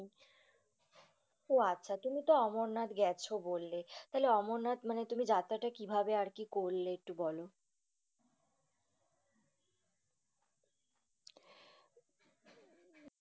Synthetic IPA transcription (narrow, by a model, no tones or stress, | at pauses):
ɦoatːɕʰat̪umit̪oɔmoɾnad̪ɡɛt͡ɕʰobolːet̪aɦeleɔmoɾnad̪manet̪umid͡ʑat̪aʈakibʱabeaɾkikolːeek̚ʈubɔlo